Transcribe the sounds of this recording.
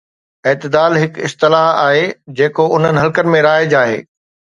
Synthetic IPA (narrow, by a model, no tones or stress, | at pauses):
eːt̪ɪd̪aːlɦɪkɪst̪ɪlaːɦaːɦed͡ʑeːkoʊn̤ənɪ̆ɦɐlkənɪ̆mẽɾaːɪd͡ʑaːɦḛː